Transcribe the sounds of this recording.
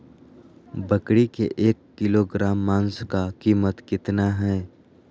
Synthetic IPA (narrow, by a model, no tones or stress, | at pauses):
bəkɽikḛʔeːkːɪloɡɾaːmːãːnskakiːmət̪kɪt̪naɦɛː